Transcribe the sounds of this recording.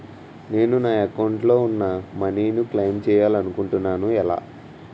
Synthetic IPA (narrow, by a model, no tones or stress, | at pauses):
ne̞ːnunaːɐkɐwɳʈlo̞ːunːamɐniːnuklejmt͡ʃɛːjaːlɐnukuɳʈunːaːnuɛla̰ː